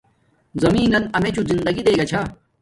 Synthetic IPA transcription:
zɐmiːnɐnɐmet͡ɕʰuzind̪ɐɡid̪eːɡɐt͡ɕʰa

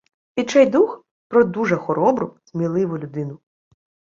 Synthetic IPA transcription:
it͡ʃɛjd̪ux | pɾɔd̪uʒɛxɔɾɔbɾʊsʲmʲilˠɪʋʊlʲʊd̪ɪnʊ

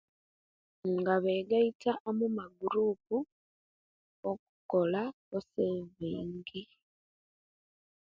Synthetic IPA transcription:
ŋɡaβeːɡaitaʔomumaɡuɾuːpu | oku̥ko̞la | oseβeːŋɡe

